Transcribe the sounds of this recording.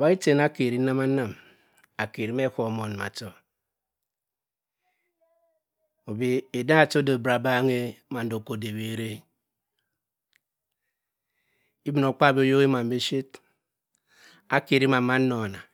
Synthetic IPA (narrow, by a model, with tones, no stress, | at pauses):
a˨ba˦i˦te˨na˦ke˨ɾi˨˦na˦ma˦na˦m | a˨ke˨ɾi˨˦m˦e˦ko˨mo˨n˨ma̰˨to˨ | o˨be˨e˨da˦a˨to˦do˨bɾa˨ba˦ŋe˦ma˨n̩˦do˨ko˨de˨be˨ɾe˦ | i˦bi˨no˨k͡pa˦˨be˦o˦jo˦ɣe˦ma˨m̩˦be˦ʃe˦t | a˦ke˨ɾi˦ma˨˦ma˦no˨na˨